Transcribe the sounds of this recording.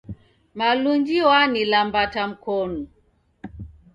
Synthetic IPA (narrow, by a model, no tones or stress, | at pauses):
maluɲd͡ʒiwanilambatam̩kɔnu